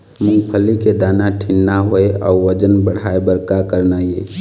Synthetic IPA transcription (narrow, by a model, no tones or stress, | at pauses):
mʊ̃ŋɡpʰəliked̪aːnaʈʰɪnːaɦoeɔ̰ːʋəd͡ʒənbəɽ̤aːebəɾkakəɾnaje